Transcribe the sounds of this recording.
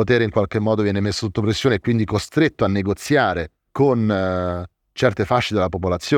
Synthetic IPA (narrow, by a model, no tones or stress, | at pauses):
ot̪eːɾeiŋkwalk̟emːɔːd̪ovjɛːnemesːo̥sot̪ːopɾesːjoːneːkːwind̪ikost̪ɾet̪ːoanːeɡot̪sːjaːɾe | kon | t͡ʃɛrt̪efaʃːed̪elapopolat̪sːjoː